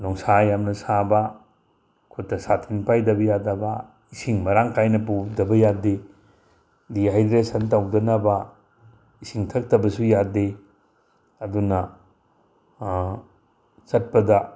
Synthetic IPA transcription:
nɔŋsajamnɐsabɐ | kʰutːɐsatʰinpajdɐbɐjadɐbɐ | isiŋmɐɾaŋkajnɐp̬udɐbɐjade | diɦajdɾesɐntawdɐnɐbɐ | isiŋtʰɐk̚tɐbɐsujade | ɐdunɐ | sɐt̚pɐdɐ

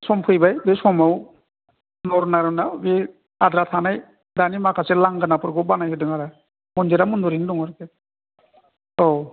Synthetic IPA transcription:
sɔmpʰɯjbajbesɔmaw | nɔɾnaɾɯnabe | ad̪ɾat̪ʰanaj | danimakʰasɛlaŋɡanapɔɾɡɔbanajɦɯdɯŋaɾa | mɔnd͡ʒiɾamund̪ɔɾindɔŋɔɾkɛ | ɔw

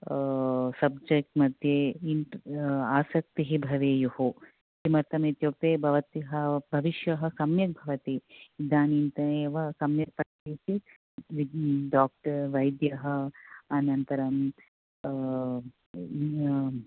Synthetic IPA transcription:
sɐb̚d͡ʒek̚ʈmɐd̪ʱjeiʈaːsɐk̚t̪iɦibʱɐʋeːjuɦu | simɐɾt̪ɐmeːt̪joːk̚t̪eːbʱɐʋɐt̪iɦɐbʱɐʋiʃjɐɦɐ̆sɐmjɐk̚bʱɐʋɐt̪iid̪aːniːnt̪ɐeʋɐsɐmjɐpɐkiːt̪i | ʋiɖaːk̚ʈɐɾʋɐjd̪jɐɦɐ̆ɐnɐnt̪ɐɾɐm

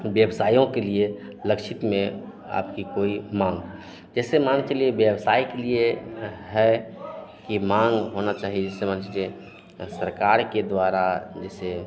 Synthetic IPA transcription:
bjəbsaːjõkelie | ləkʃʰɪt̪mẽ | a̰ːpkikoːimãŋɡ | d͡ʒɛːsemanekelieʋjəbsaːikelieɦɛ | kimãŋɡɦonat͡ʃaːɦied͡ʒɛːsemaːnt͡ʃalie | səɾkaːɾked̪ʋaːɾad͡ʒɛːse

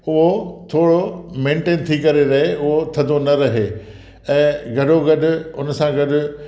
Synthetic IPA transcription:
ʊɦot̪ʰoːɽomẽːɳʈeːnt̪ʰikɐɾeɾɐɦeʊɦot̪ʰɐnd̪ʱonɐɾɐɦe | ɛ̃ːɡʱɐɗoɡɐɗʊ̆ʊnsãɡɐɗʊ̆

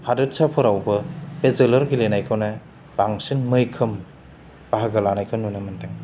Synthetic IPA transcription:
hadɯt̚sapʰɯɾawbɐbezelɐɾɡilenajkʰawne | b̥aŋsinmɯjkʰɯm | b̥aɦaɡɐlanajkʰɯnːunɯmɯnteŋ

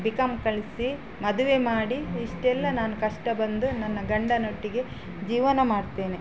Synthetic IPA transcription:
bikɐmkɐɭisi | mɐd̪uʋemaːɽiːʂʈɛlːɐnaːnukɐʂʈɐbɐnd̪unɐnːɐɡɐɳɖɐnoʈːiɡe̞ | d͡ʒiːʋɐnɐmaːɽt̪eːni

